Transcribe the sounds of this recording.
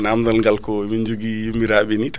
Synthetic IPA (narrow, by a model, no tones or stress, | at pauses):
namd̪ɐnɡalkomind͡ʒuɡimiɾabinit̪ʰ